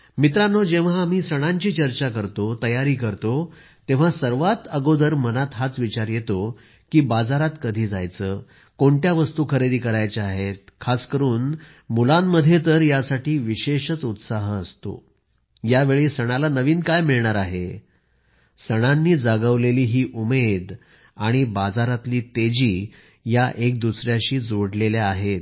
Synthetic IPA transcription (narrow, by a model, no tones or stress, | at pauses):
mit̪̬ɾanːod͡ʑeʋ̤̃aːm̤iːsəɽ̃aɲt͡ɕiːt͡ɕəɾt͡ɕakəɾt̪ot̪əjaɾiːkəɾt̪o | t̪ẽʋ̤asəɾʋat̪əɡod̪əɾmənat̪ɦat͡sʋit͡ɕaɾjet̪o | kiːbad͡zaɾat̪kəd̪ʱiːd͡za̰jt͡səː | koɳʈjaʋəst̪uːkʰəɾed̪iːkəɾajt͡ɕeaɦet̪̚kʰaskəɾuːn | mulamːəd̪ʱjet̪əɾjasaʈiːʋiɕeɕət͡sut̪saɦəəst̪o̰ | jaʋeɭiːsəɽ̃alanəʋiːnkajmiɭɳaɾaɦe | səɽ̃anːiːd͡zaɡəʋleliːɦiːʔumed̪ | aɽ̃ibad͡zaɾat̪liːt̪ed͡ʑiː | jaʔek̚d̪usɾjaɕiːd͡zoɽleljaaɦet̪